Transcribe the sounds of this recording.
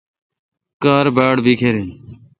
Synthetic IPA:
kaːɾbaːɽbʱiːkʰeːɾeːn

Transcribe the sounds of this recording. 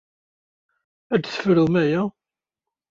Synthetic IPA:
æd̪θə̥fɾəðmæjæ

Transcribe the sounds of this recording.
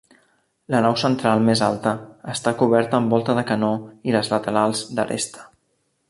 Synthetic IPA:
lənawsənt̪ɾalˠmezalˠt̪əəst̪akuβ̞ɛɾt̪əːmbɔlˠt̪əðəkənoiləzlət̪əɾalˠzd̪ə̰rḛst̪ə̥

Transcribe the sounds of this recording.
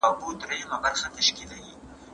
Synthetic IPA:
abut̪ɾajamabaɾxat̪aʃkilawi

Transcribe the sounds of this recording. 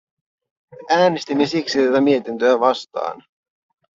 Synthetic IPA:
æːnest̪imːesiksit̪æt̪æmie̞t̪int̪øæːʋɑst̪ɑ̰ːn

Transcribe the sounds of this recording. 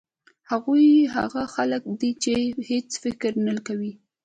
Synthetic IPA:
haɣujɦa̰ɣaxalək̚d̪it͡ʃehet͡sfɪkɾnalkawi

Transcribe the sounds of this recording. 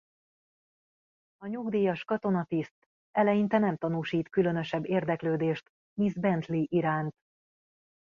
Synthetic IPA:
ɒɲuɡd̪iːjɒʃkɒt̪o̞nɒt̪ist̪ | ɛlɛjint̪ɛnɛmt̪ɒnuːʃiːt̪kylø̞nø̞ʃɛbːeːrd̪ɛkløːd̪eːʃt̪ | mizbɛnt̪liʔiɾaːnt̪

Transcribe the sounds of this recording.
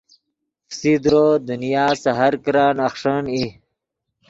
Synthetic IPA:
fsid̪ɾoːd̪unijaːsaɦaɾkɾaːnaxʂəni

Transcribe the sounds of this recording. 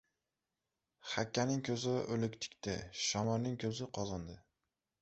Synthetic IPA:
χakʲːanɪŋkʲʰɵzɪʔɵlɪkʲt̪ʰɪ̥kʲt̪ɪʃɒmɒɾnɪŋkʲʰɵzɪqʰɒzɒnd̪ɪ

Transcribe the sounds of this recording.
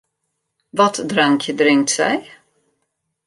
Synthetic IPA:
vat̪d̪ɾaŋkʰd̪ɾɪŋt̪sɛ̰j

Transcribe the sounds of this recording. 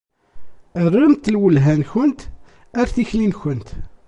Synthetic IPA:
ərˤːəmt̪ːəlwəlɦænçənt̪ | æɾθiçlinçənt̪

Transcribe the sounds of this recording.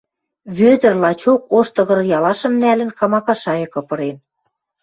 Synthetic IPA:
βød̪ɘ̆rlɑt͡ɕokoʃt̪ɤ̆ɣɤ̆ɾjɑlɑʃɤ̆mnælɘ̆nxɑmɑkɑʃɑjɤ̆kɤ̆pɤ̆ɾen

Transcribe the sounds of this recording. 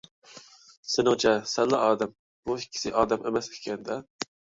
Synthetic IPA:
sɪnot͡ʃʰɛsɛllːɑʔɑːd̪ɛm | buhikʲʰːi̥sɪʔɑːd̪ɛmʔemɛsʰkʲʰɛnd̪ɛ

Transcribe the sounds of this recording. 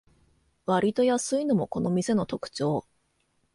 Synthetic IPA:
βaɾʲit̪o̞jasɨino̞mo̞ko̞no̞mʲise̞no̞t̪o̞kɯ̟̥t͡ɕo̞ː

